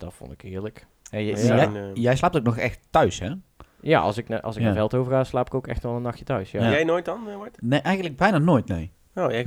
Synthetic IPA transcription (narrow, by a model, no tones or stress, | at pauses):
d̥ɔtfo̰ntɪkɪːɹlək | ɛjjɛjɛjslaːptowk̚nɔxɛ̰xtːœɥshɛja̰ɑ̰sɪknʔɑ̰lˠsɪkəfɛlˠtowvərɣaːslaːpɪ̥kowkɛ̰xtʋɛlˠənːɑxjətœɥsjajɛjnoːjtɔnʋɔtneʔɛjɣən̩dləɡ̚bɛjnanoːjtnḛj | ojɛ